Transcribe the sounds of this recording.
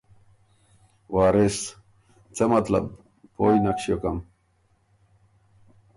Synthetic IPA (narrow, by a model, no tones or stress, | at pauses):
waːɾes | t͡semɐt̪la̰b | pojnakɕijokam